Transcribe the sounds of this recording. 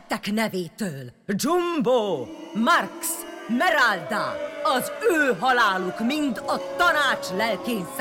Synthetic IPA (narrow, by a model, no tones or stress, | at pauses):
t̪ːɛknɛveːt̪øːld͡ʒumboːmarksmɛɾald̪a̰ɒzøːɦɒlaːlukmint̪ɒt̪ɒnaːt͡ʃlɛlkeːns